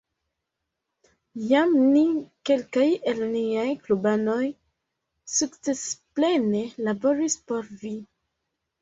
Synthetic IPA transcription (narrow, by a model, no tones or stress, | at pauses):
jamnike̞lkaje̞lniajklubano̞j | sukt͡se̞sple̞ne̞labo̞ɾispoɾvi